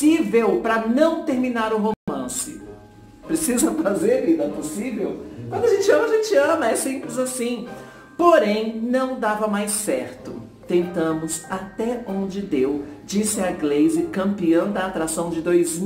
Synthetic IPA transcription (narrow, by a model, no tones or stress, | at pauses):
ivewpɾɐnɐ̃w̃t̪eɾminaɾʊɦomɐ̃sɪ̰ | pɾesizɐfɾazeɾvid̪ɐ̃posivewkwɐ̃nd̪ʊaʒẽnt͡ʃɪɐ̃mɐaʒẽt͡ʃɪɐ̃mɐɛsẽmplɪzasĩ | poɾẽj̃nɐ̃w̃d̪avɐmajsɛɾt̪ʊ | t̪ẽnt̪ɐ̃mʊsat̪ɛõnd͡ʒɪd̪ewd͡ʒisɪaɡlezɪkɐ̃mpiɐ̃w̃d̪ɐːt̪ɾasɐ̃w̃d͡ʒɪd̪ojz